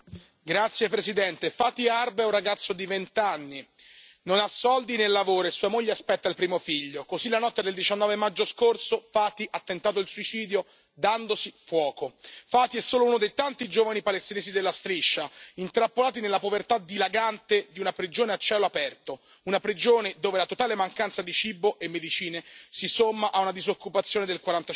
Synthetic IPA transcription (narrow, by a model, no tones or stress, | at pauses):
ɡɾat̪sːjepɾesid̪ɛnt̪efaːt̪iarbeurːaɡat̪sːod̪ivent̪anːi | nonasːɔld̪inelːavoːɾoesuːamoʎːeaspɛt̪ːailpɾiːmofiʎːokozilanɔt̪ːad̪eld̪it͡ʃanːɔːvemad͡ʒːoskorsofaːt̪iʔat̪ːent̪aːt̪̬oilsuit͡ʃiːd̪jo | d̪and̪osifwɔːkofaːt̪iɛsːoːlounod̪ejt̪ant̪id͡ʒoːvanipalest̪ineːzid̪elːast̪ɾiʃːaint̪ɾapːolaːt̪̬inelːapovert̪ad̪ilaɡant̪ed̪iunapɾid͡ʒoːneat͡ʃːɛːloapɛrt̪o | unapɾid͡ʒoːned̪oːvelat̪ot̪aːlemaŋkant̪sad̪it͡ʃiboʔemːed̪it͡ʃiːnesisomːaʔaunad̪izokːupat̪sːjoːned̪elkwaɾant̪a